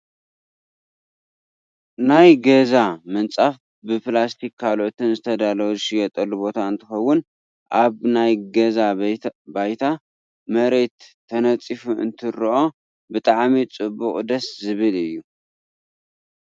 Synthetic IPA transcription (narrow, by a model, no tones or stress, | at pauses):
najɡɐzamɨnt͡sʼaf | bɨplast̪ʰikʰːalʔot̪ʰɨnzɨt̪ʰɐd̪alowzɨʃijɛt̪ʼɐlːubo̞t̪ʰaɨnt̪ʰɨxɐwːʊn | ʔaβnajɡɐzabajt̪ʰa | mɐɾe̞t̪ʰː | ɐnɐt͡sʼifuʔɨ̰nt̪ʰɨɾʔo̞ | bɨt̪ʼaʕmit͡sʼɨbːʊkʼd̪ɐszɨβɨlɨjːu